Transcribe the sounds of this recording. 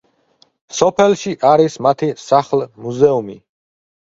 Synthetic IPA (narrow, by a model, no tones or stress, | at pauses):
sɔpʰɛlˠʃiʔaɾismat̪ʰisaχlˠmuzɛumi